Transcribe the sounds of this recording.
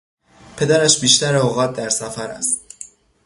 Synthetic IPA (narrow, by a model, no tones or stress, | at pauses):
pʰe̞d̪æɾæʃbiːʃt̪æɾeoɣɒːt̪̚d̪æɾsæfæɾæ̰st̪